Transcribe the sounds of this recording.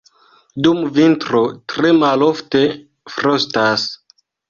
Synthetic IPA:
dumvintɾotɾe̞malo̞fte̞ | fɾostas

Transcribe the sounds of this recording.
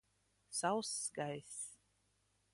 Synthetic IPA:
sawsɡajs

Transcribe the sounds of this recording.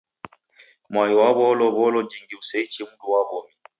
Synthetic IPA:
mwajɔwaβɔlɔβɔlɔd͡ʒiŋɡiusɛit͡ʃɛmuduwaβɔmi

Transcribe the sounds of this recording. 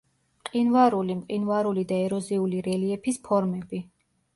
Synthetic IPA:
mqʼinvaɾulimqʼinvaɾulid̪aɛɾɔziuliɾɛliɛpʰispʰɔɾmɛbi

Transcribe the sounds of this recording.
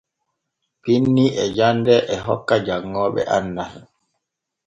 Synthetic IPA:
pinːiɛd͡ʒandɛʔɛɦɔkːad͡ʒaŋːɔːɓɛ̰ʔanːas

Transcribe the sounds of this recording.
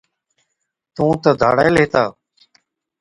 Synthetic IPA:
t̪ũːt̪əd̪ʱaːɽa̰ːjleːt̪aː

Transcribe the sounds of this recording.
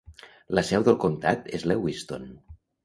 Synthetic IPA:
ləsɛwðəlˠkont̪a̰t̪ezlewist̪on

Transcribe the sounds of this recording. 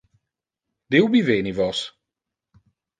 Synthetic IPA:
dewbivenivɔs

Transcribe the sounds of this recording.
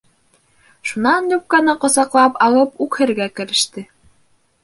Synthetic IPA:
ʃunɑnjup̚kɑnɤqŏsɑqlˠɑpɑlˠɤpukhɘ̆ɾɡækɘ̆ɾɘ̆ʃt̪ɘ

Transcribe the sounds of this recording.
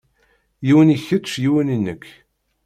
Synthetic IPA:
jiwəniçːət̪ːˤʃjiwənənːəkː

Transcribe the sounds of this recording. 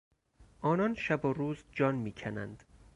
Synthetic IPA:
ʔɒːnɒnʃæboɾuːzd͡ʒɒːnmiːcʰænæ̰nd̪̥

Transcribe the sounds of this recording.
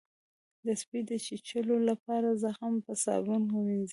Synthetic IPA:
d̪əspid̪ət͡ʃit͡ʃəlolapɑɾazəhampəsɑ̰bunkuminz

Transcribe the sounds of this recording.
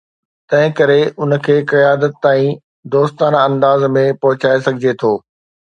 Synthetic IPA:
t̪ɐ̃ɦɪ̃kɐɾeʊn̆kʰeːkɐjaːd̪ət̪ːaːĩ | d̪oːst̪aːnɐ̃nd̪aːzmẽpɐɦʊt͡ɕaːesɐɡʱɪd͡ʑet̪ʰoː

